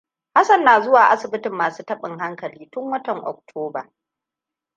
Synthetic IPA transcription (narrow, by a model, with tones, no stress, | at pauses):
ha˦sɐ˨nːaː˨zʊ˦waː˨ʔa˦sɪ˨bɪ˦tɪ˨mːaː˨suː˦tɐ˦ɓɪ˨ŋɦa˦ŋkɐ˨liː˦tʊ˦ŋwɐ˦tɐ˨ŋʔɔ̰˨k̚tʰoː˦ba˨